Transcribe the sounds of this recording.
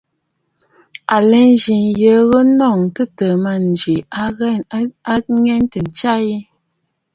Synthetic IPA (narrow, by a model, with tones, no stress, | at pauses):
a˨lɛ˨˦n˦d͡ʒi˨ŋjə˨˦ɣə˦nɔ˦˨ŋtə˦tə˨ma˨n˨d͡ʒi˨˦a˦ŋɛ˦n˦tə˨n̩˨t͡ʃa˦ji˦